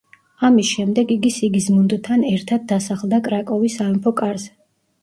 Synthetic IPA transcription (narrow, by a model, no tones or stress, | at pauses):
amisʃɛmd̪ɛɡiɡisiɡizmund̪t̪ʰanɛɾt̪ʰad̪̚d̪ːasaχlˠd̪akʼɾakʼɔvisaɛmpʰɔkʼaɾzɛ